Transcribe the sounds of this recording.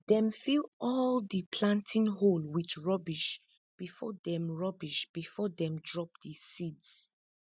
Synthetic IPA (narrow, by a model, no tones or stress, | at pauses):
dɛ̃mfilɔldəpʰlãntʰĩnɦolwit͡ʃɹɔbiʃ | b̥ifɔ̰dɛ̃mɹɔbiʃb̥ifɔdɛ̃mdɹɔp̚dəsids